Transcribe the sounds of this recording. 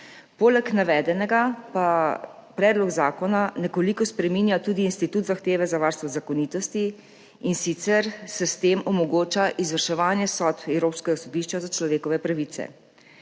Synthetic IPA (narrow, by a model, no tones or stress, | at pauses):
poːlɛknaʋɛːd̪ɛnɛɡapa | pɾɛːd̪lɔɡzaːkɔnanɛkɔlikɔspɾɛmiːnjat̪ud̪iːnst̪it̪uːt̪zaxt̪eːʋɛzaʋaːɾst̪ʋɔzakɔnit̪ɔst̪i | insit̪sɛɾsɛst̪eːmɔmɔɡoːt͡ʃaʔizʋəɾʃɛʋaːnjɛsɔt̪ɛwɾoːpskɛɡasɔd̪iʃt͡ʃazat͡ʃlɔʋeːkɔʋɛpɾaʋit̪sɛ̰